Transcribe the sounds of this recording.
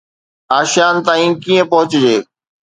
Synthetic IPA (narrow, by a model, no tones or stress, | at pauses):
aːʃjaːnt̪aːĩːkiːẽpɐɦʊt͡ɕd͡ʑeː